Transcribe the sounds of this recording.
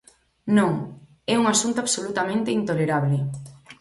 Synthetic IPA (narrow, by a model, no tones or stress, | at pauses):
nõŋ | ɛuŋasunt̪oaβsolut̪amẽnt̪ɪint̪oleɾaβlɪ